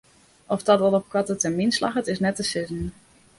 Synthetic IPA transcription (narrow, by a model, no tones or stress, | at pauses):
ɔfdɔtʋɔlˠɔp̚kwatətɛɹminslɑ̰χətɪsnɛtəsɪtən̩